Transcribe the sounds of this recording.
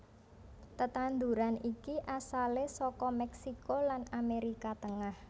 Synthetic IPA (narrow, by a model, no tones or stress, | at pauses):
t̪ət̪and̪uɾanikiʔasalesɔkɔmɛksikolanameɾikat̪əŋah